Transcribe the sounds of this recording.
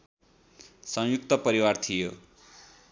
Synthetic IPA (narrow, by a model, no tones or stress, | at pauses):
sʌ̃ŋ̃juk̚t̪ʌpʌɾiwart̪ʰijo